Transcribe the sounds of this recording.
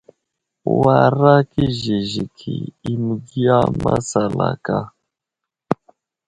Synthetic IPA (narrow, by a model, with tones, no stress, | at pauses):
wa˨ɾa˦ki˦ʒi˨ʒi˨kʰi˨i˦mu˨ɡi˦a˦ma˦sa˨la̰˨ka˦